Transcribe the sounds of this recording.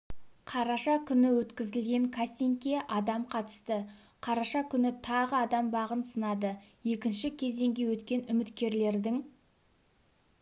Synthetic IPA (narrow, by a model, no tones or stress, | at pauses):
qʰɑɾɑʃɑkʲʰʏnɪwɵt̪kʲɪzɪlɡʲe̞ŋkʰasʲeŋkʲe̞ʔɑd̪ɑmqʰɑt̪ə̥st̪ə | qʰɑɾɑʃɑkʲʰʏnɪt̪ʰɑʁəɑd̪ɑmbɑʁənsənɑd̪əje̞kʲɪnʃɪkʲʰe̞ze̞ŋɡʲe̞wɵt̪kʲe̞nʏmɪt̪kʲe̞ɾle̞ɾd̪ɪŋ